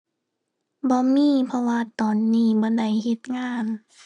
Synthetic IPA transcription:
bɔː˧˦miː˧˥˨pʰɔ˧waː˧t̪ɔː˨˩nːiː˧˨bɔː˧˦da˨˩jhe˧˦t̪̚ŋaː˧˥˩n

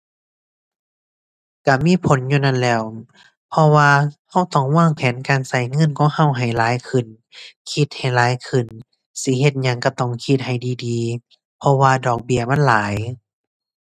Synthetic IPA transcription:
ka˧˩miː˧˥˨pʰo˨˦nɲuː˧na˧˥˨nlɛː˧˩w | pʰɔ˧waː˧ha˧˥˩wt̪ɔː˧˩ŋwaː˧˥˩ŋpʰɛː˨˦nkaː˨nsa˧˩jŋɤ˧˥˨nkʰɔː˨˦ŋha˧˨wɦa˨˩jlaː˨˦jkʰɯ˨˩n | kʰi˧t̪̚ha˨˩jlaː˨˦jkʰɯ˨˩n | si˧˦he˧t̪̚ɲa˧˩ŋka˧˩t̪ɔː˧˩ŋkʰi˧t̪̚ha˨˩jdiː˨˩diː˨˧ | pʰɔ˧waː˧dɔː˨˩k̚bi˧˩ɐma˧˥˨nlaː˨˦j

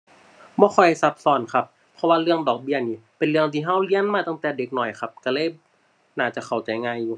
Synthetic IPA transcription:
bɔː˧˦xʰɔ˧˩jsa˧˥p̚sɔː˧˩nkʰa˧pʰːɔ˧waː˧lɯ˧əŋdɔː˨˩k̚bi˧˥˩əniː˧˩pe˨nlɯ˧˩əŋt̪ʰiː˧˩ɦa˧˥˨wli˧˥ə˨nmaː˧˩t̪a˧˩ŋt̪ɛː˨˩de˨˦k̚nɔ˨˩jxʰa˧p̚ka˧˩lɤː˧˥˨j | naː˧˩t͡ɕa˧˩kʰa˨˩wt͡ɕa˨˩˦jŋaː˧˨jːuː˧˦

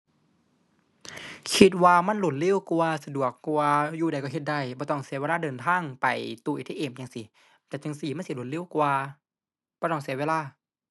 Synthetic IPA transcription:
kʰi˧t̪̚waː˧ma˧˥˨nlo˧˩t̪̚li˧˥˨wku˧a˧sa˧du˨˩əkːwaː˧juː˧˩da˨˩jkɔ˧˩ɦe˧t̪̚da˧˩jbɔː˧˦t̪ɔ˧˩ŋsi˧˦we˧laː˧˥˨dɤː˨˩nt̪ʰaː˧˥˨ŋpa˨˩jt̪u˧˨ʔi˧t̪ʰeː˦˥˨ʔeː˨˩˨mt͡ɕa˧ŋsi˧˦ | t̪ɛː˧˩t͡ɕa˧ŋsi˧˩˦ma˥˨si˧˦lo˧˦t̪̚li˧˥˨wkwaː˧ | bɔː˧˦t̪ɔ˧˩ŋsi˧˦weː˧˨laː˧˥˨

